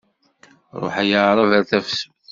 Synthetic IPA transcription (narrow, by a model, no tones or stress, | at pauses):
ɾˤo̰ħæjəʕɾˤɑvæɾθæfs